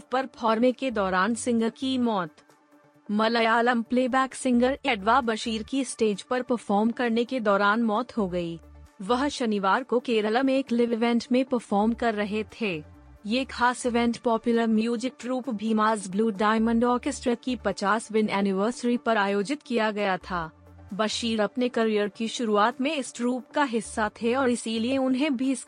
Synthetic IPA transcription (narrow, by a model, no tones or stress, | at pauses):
pɐɾpʰɔːɾmeked̪ɔːɾaːnsɪ̃ŋɡəkimɔːt̪ | mɐləjaːlə̃mpleːbɛːksɪ̃ŋɡəɾɪɖʋabɐʃiːɾkisʈeːd͡ʒpɐɾpɐɾfɔːɾmkɐɾneked̪ɔːɾaːnmɔːt̪ɦoɡɐiːʋɐɦʃɐniʋaːɾkokeːɾələmeːklɪʋɪʋɛ̃ɳʈmẽpɐɾfɔːɾmkɐɾːɐɦet̪ʰeː | jekxʰaːsɪʋɛ̃ɳʈpɔːpjʊləɾmjjuːd͡ʒɪk̚ʈɾuːpbʱiːmaːzbluːɖaːɪmə̃ɳɖɔːɾkɪsʈɾəkipɐt͡ʃaːsʋɪ̃nɛːnɪʋəːɾsəɾipɐɾaːjoːd͡ʒɪt̪kijaɡɐjat̪ʰaː | bɐʃiːɾɐpnekɐɾijəɾkiʃʊɾuaːt̪mẽɪsɾuːpkaɦɪsːat̪ʰeɔːɾɪsilieʊnɦẽbʱiɪs